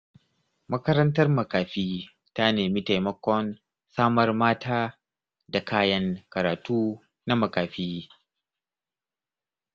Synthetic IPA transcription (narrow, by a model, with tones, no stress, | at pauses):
mɐ˦kɐ˦ɾɐ˦ntɐ˦rmɐ˨kaː˨ɸiː˦ | ta˦neː˨miː˦ta˨jmɐ˦kʷɔ˦n | saː˦mɐ˦rmaː˦tʰaː˦ | da˨kaː˦jɐ˦ŋkɐ˨ɾaː˨tuː˦ | na˦mɐ˨kaː˨ɸiː˦